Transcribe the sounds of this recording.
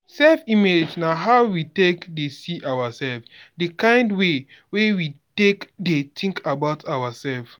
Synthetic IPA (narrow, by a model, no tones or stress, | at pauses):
sɛlfimed͡ʒnaɦaʊwitekdesiʔawasɛlfdəkãɪ̃ndwe | wewitekdetʰĩŋkʰabaʊtʰawasɛlf